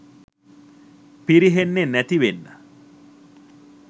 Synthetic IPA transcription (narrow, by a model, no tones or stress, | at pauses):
piɾiɦenːenæt̪iʋenːə